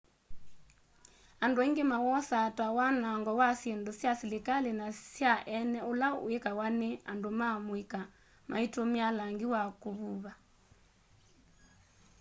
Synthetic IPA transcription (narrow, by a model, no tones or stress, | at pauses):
andoeŋɡemawɔsatwawanaŋɡɔwasjendosjasilikalenasjaʔɛnɛolao̰ekawanea̰ndomamwika | ma̰itomialaŋɡiwakoβuβa